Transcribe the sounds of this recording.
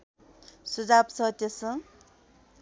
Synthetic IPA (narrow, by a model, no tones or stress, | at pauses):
sud͡zabsʌt̪esʌ